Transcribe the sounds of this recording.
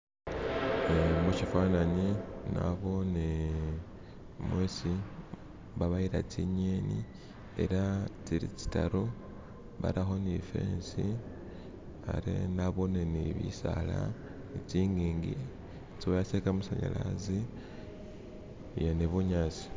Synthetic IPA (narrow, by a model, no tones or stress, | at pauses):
emuʃifaːnaɲina̰βo̞ne | mwesi | βaβaiɾat͡siɲeːni | ḛɾat͡siɾit͡si̥taɾo | βa̰ɾaxo̞nife̞̰ːnsi | a̰ɾḛnaβo̞neniβḭsala̰ | nit͡siːŋɡiːŋɡi | t͡siwojasekamusaɲa̰lazi | jeneβuɲaːt͡si̥